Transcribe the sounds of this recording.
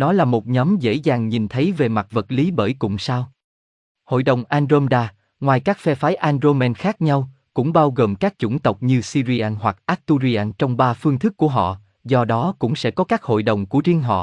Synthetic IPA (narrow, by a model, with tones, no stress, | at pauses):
nɔ˨˦laː˨˩mo˨˩t̚ɲɔ˨˦mzḛ˧˥zaː˨˩ŋɲi˨˩nt̪ʰə˨˦jve˨˩ma˨˩t̚və˨˩t̚li˨˦ɓəː˧˩jkʊ̰˧˨˩ŋ͡msaː˧w | ho̰˧˨jɗə˨˩wŋ͡mʔaː˧nzo˧mɗaː˧ | ŋwaː˨˩jkaː˦˥k̚fɛ˧faː˨˦jʔaː˧nzo˧mɛ˧nxaː˦˥k̚ɲa˧w | kʊ̰˧˥ŋ͡mɓaː˧wɣəː˨˩mkaː˦˥k̚t͡ɕʊ̰˧˩nt̪ə˨˩wk͡p̚ɲɨ˧si˧zi˧ʔaː˧nhwa˨˩k̚ʔaː˦˥t̚t̪u˧zi˧ʔaː˧nt͡ɕɔ˧wŋ͡mɓaː˧fɨ˧əŋt̪ʰɨ˦˥k̚ːu˧˩əɦɔ̰˧˨ | zɔ˧ɗɔ˨˦kʊ̰˧˥ŋ͡msɛ̰˧˥kɔ˨˦kaː˦˥k̚ho̰˧˨jɗə˨˩wŋ͡mku˧˩əzi˧əŋɦɔ̰˧˨